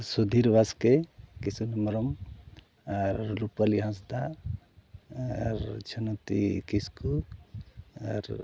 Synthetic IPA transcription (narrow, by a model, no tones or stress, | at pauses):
sud̪ʱiɾʋaskekisunimɾɔm | aɾlupaliɦãs̬d̪a | ɾt͡ʃʰənot̪ḭkisku | a̰ɾ